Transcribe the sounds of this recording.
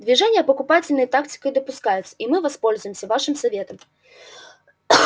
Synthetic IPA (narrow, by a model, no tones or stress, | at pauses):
d̪vʲiʐɛnʲjɐpɐkupat͡sʲɪlʲnɐjɐt̪akt͡sʲi̥kɐjd̪ɐpuskajut̪sɐ̥ʔimɨvaspɔlʲzujmsʲɐvaʂɨmsavʲɛt̪ɐm